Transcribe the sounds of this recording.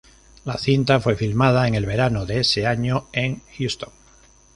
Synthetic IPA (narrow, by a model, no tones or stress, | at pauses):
laθint̪afwe̞filmað̞aeŋe̞lβe̞ɾanoðeeseaɲoe̞ŋxjust̪õŋ